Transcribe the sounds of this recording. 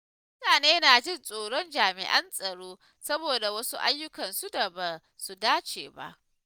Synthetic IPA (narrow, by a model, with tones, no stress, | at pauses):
m | ʊ˦taː˨neː˦na˨d͡ʒɪ˦nsʼoː˨ɽɔ˦nd͡ʒaː˨mɪ̰˨ʔɐ˦nsʼɐ˨ɽoː˦ | sɐ˦boː˨da˨wɐ˦su˦ʔa̰˦jːʊ˦kɐ˨nsu˦da˨ba˨ | su˨daː˦t͡ʃḛː˨ba̰˦ʔ